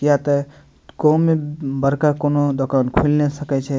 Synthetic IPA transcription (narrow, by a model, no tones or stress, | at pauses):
kijat̪ə | komebəɾkakonod̪okaːnkʰulnesəkɛt͡ʃʰɛ